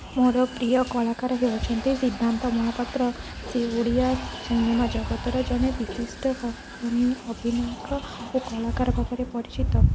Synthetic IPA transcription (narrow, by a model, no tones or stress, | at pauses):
moɾɔpɾijɔkɔlakaɾɔɦebɔt͡ʃʰɔnt̪isid̪ʱːant̪ɔmɔɦɔpat̪ːɾɔ | sioɽiasunimad͡ʒɔɡɔt̪ɔɾɔd͡ʒɔnebisisʈɔkɔ | ɔniobʱinɔjɔkɾɔ | okɔlakaɾɔbʰʱɔpɔɾepɔɾit͡ʃit̪ɔ